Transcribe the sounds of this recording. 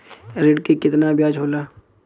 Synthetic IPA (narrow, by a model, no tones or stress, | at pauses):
ɾɪɖkekɪt̪nabjaːd͡ʒɦoːlaː